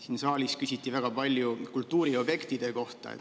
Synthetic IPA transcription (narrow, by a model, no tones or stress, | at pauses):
siːnsɑːlʲiskysʲit̪ːˑivæɡ̥ɑpɑlʲjukult̪ːˑuːɾio̞b̥je̞kt̪id̪̥e̞ko̞ht̪ɑ̰ḛt̪